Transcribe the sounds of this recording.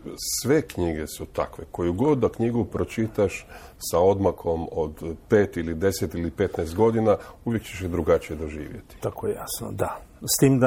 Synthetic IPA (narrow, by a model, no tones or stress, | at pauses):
sʋe̞kɲiɡe̞sut̪a̰kʋe̞ko̞juɡo̞d̪ːakɲiɡupɾo̞t͡ʃit̪aʃsao̞d̪makʰo̞mod̪pe̞ːt̪ilid̪e̞set̪ilipe̞t̪naɛst̪ɡo̞d̪inauʋje̞kt͡ɕeʃed̪ɾuɡat͡ʃije̞d̪o̞ʒḭːʋjet̪i̥t̪akojḛja̰sno̰d̪a | st̪iːmd̪a